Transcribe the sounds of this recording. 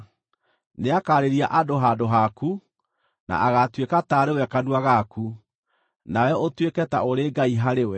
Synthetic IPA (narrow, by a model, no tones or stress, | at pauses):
neakaɾeɾiaʔadoɦadoɦaku | na̰ʔaɣatwekataɾewɛkanuaɣaku | nawɛʔotwekɛta̰oɾeɡaiɦaɾewɛ